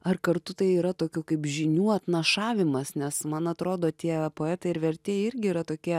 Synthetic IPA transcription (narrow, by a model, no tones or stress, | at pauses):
ɐrkɐɾt̪ʊt̪ɐɪiːɾɐt̪oːkʲuːkɐɪpʒʲɪnʲuːɐt̪nɐʃɑːʋʲɪmɐsnʲɛsmɐnɐt̪ɾoːd̪oːt̪ʲiɛpoːɛːt̪ɐɪɪɾʋʲɛɾʲt̪ʲeːjɪɾʲɡʲɪiːɾɐt̪oːkʲiɛ